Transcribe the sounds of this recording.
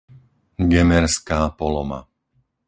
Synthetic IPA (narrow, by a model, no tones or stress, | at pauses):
ɡɛmɛɾskaːpɔlɔma̰